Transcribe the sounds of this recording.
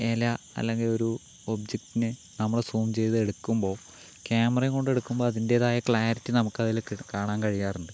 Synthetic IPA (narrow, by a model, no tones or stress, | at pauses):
elaː | ɐ̰lːe̞ŋɡilo̞ɾu | obd͡ʑek̚tːinɨ | nɐmːɐɭesuːmt͡ɕe̞jt̪ɨe̞ɽukːumbo̞ː | kʲaːmɐrɐjŋko̞ɳɖe̞ɽukːumbo̞ːɐðinde̞ːðaːjɐkɭaːɾitːɨnɐmukːɐðilkaːɳaːnkɐɻijaːruɳɖɨ